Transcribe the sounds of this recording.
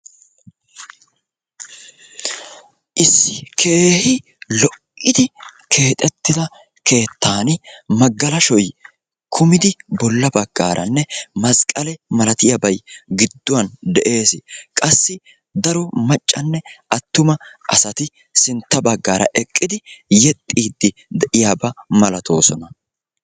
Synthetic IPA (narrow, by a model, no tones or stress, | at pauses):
ʔɪsːɪkʰe̞ːhɪ | lɔʔɪd̪ɪkʰe̞ːt̪ʼɛt̪ːɪd̪ɐ | kʰe̞ːt̪ʰːaːnɪmɐɡːɐlɐʃɔj | kʰʊmɪd̪ɪbɔlːɐbɐɡːa̰ːɾʔɐ̰nːɛmɐskʼɐlɛmɐlɐt̪ɪjɐbɐjɡɪd̪ːʊwɐnd̪ɛʔe̞ːsɪkʼɐsːɪ | d̪ɐɾɔmɐt͡ʃʼːɐnːɛʔɐt̪ːʊmɐʔɐ̰sɐt̪ɪ | sɪnt̪ːɐbɐɡːaːɾɐ̰ʔɛkʼːɪd̪ɪjɛt̪ʼːiːd̪ːɪ | d̪ɛʔɪjaːbɐmɐlɐt̪ʰo̞̰ːsɔnɐ